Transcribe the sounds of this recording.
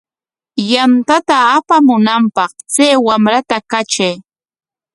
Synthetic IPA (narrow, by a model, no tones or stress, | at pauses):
jant̪at̪aːpamʊnampɑχt͡sejwamɾat̪akat͡ʃaj